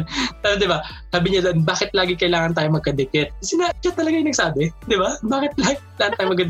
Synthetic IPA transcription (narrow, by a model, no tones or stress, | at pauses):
ɐnd̪ɪbasaːbɪɲadonbaːkɪt̪̚laːɡɪkɐʔɪlaːŋɐnt̪aːjomɐɡ̚kɐd̪ɛpɪt̪̚kɐsɛnɐd͡ʒɐt̪ɐlɐɡajnɐɡ̚saːbɛd̪ɪbabaːkɪt̪̚laːɡɪkɐɪlaːŋɐnt̪aːjomɐɡkɐd̪